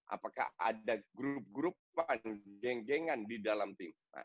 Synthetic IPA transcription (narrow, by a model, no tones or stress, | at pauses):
ʔa̰paka̰a̰daɡɾp̚ɡɾupanɡɛŋɡɛŋandidalamt̪ɪm | a̰